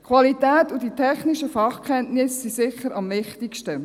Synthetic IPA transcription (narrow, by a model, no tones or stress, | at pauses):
kʰʋɑlitæːtʊditʰɛχnɪʃəfɑχkʰɛntnɪsːisɪχːəɾɑmʋɪχtɪkʃtə